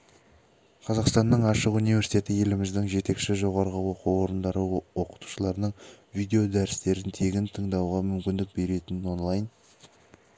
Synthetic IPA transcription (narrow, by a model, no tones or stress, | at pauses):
qʰɑzɑqst̪ɑnːəɴɑʃəqunijve̞ɾsi̥t̪ʰʲe̞t̪ɪje̞lɪmɪzd̪ɪŋʒe̞t̪e̞kʃɪʒo̞ʁɑɾəʁəwo̞quwwo̞ɾənd̪ɑɾəwo̞qə̥t̪u̥ʃəlˠɑɾənəɴvijd̪e̞o̞d̪æɾɪst̪e̞ɾɪnt̪ʰe̞ɡʲɪnt̪ʰəɴd̪ɑwʁɑmʏmkʲɪnd̪ɪk̚be̞ɾe̞t̪ɪno̞nlˠɑjn